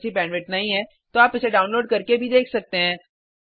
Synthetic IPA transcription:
t͡ʃʰipɛ̃ːnʋɪʈ̚nɐɦĩɦɛ̃ː | t̪oaːpːɪt͡ʃʰeɖaːʊnloːɖ̚kɐɾkebʱid̪eːkʰsɐk̚t̪eɦɛ̃ː

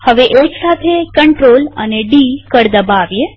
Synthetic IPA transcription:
həʋeʔeksat̪ʰekəɳʈɾoləneɖikəɾd̪əbaʋje

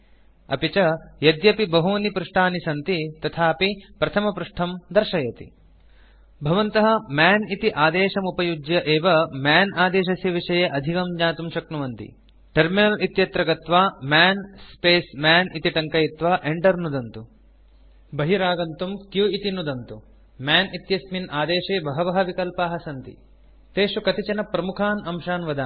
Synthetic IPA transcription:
ɐ̰pit͡ʃɐjɐd̪jɐpibɐɦuɐnipɾuʂʈʰaːnisɐnt̪it̪ɐt̪ʰaːɐpipɾɐt̪ʰɐmɐpɾuʂʈʰɐmd̪ɐɾʂɐjɐt̪ḭ | bʱɐʋɐnt̪ɐɦɐ̆maːnit̪iʔaːd̪eːʃɐmupɐjud͡ʒjɐʔeːʋɐmaːnaːd̪eːʃɐsjɐʋiʂɐjeʔɐd̪ʱikɐmɲaːt̪umʃɐknuʋɐnt̪ḭ | ʈɐɾminɐlit̪jɐt̪ɾɐɡɐt̪ʋaːmaːnspeːsmaːnit̪iʈɐŋkɐjit̪ʋɐʔeɳɖɐɾnud̪ɐnt̪u | bɐɦiɾaːɡɐnt̪umkjuit̪inud̪ɐnt̪u | mjaːnit̪jɐsminaːd̪eːʂeːbɐɦɐʋɐɦɐʋikɐlpaːɦɐsɐnt̪ḭ | t̪eːʂukɐt̪it͡ʃɐnɐpɾɐmukʰaːnɐmʃaːnʋɐd̪aː

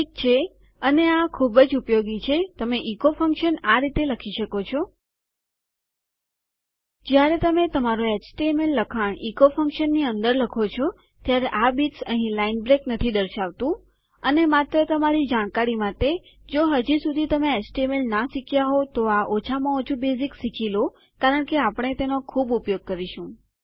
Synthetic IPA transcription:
ik̚t͡ʃʰe | əneakʰubəd͡ʒupjoɡit͡ʃʰet̪əmeʔikofə̃ŋkʃənaɾit̪eləkʰiʃəkot͡ʃʰo | d͡ʒjaɾet̪əmet̪əmaɾoet͡ʃʈemelːəkʰaɳikofə̃ŋkʃənːiənd̪əɾləkʰot͡ʃʰo | t̪jaɾeʔabiʈsəɦĩlainbɾeknət̪ʰid̪əɾʃaʋt̪ũ | ənemat̪ɾət̪əmaɾid͡ʒaɳ̃kaɾimaʈe | d͡ʒoɦəd͡ʒisud̪ʱit̪əmeet͡ʃʈemelnaʃikʰjaɦot̪oaʔot͡ʃʰamãot͡ʃʰubeziksikʰilo | kaɾəɳkeapəɳ̃et̪enokʰubupjoɡ̚kəɾiʃũ

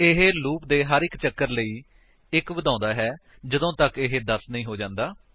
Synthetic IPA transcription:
ɪɦeluːp̚d̪eːɦəɾɪkt͡ʃəkːəɾləiː | ɪkbəd̪ãːnd̪aːɦɛː | d͡ʒəd̪õːt̪əkɪɦeːd̪əsnĩːɦoːd͡ʒãːnd̪aː

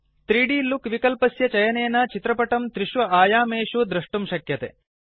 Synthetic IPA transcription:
t̪ɾiːɖiːlukʋikɐlpɐsjɐt͡ʃɐjɐneːnɐt͡ʃit̪ɾɐpɐʈɐmt̪ɾiʃʋɐʔaːjaːmeːʃud̪ɾɐʂʈumʃɐkjɐt̪ḛ

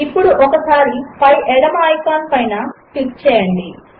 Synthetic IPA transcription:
ipːuɽuʔɔkɐsaːɾipɐjʔɛɽɐmaːjpaːnpɐjnɐʈik̚t͡ʃɛːjɐɳɖi

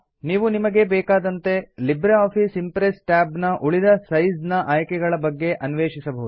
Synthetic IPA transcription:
niːʋunimɐɡe̞bɛːkaːd̪ɐnt̪e̞libɾeaːpʰisimpɾesʈaːbnɐʔuɭid̪ɐsɐjznɐʔaːjkɛɡɐɭɐbɐɡːe̞ʔɐnʋeːʂisɐbɐɦud̪u

